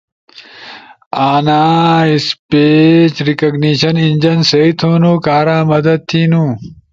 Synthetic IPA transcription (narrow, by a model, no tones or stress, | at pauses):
aːnaːispet͡ɕɾikɐɡniɕɐnind͡ʑɐnseit̪ʰoːnuːkaːɾãːmɐd̪ɐd̪̚t̪ʰiːnũː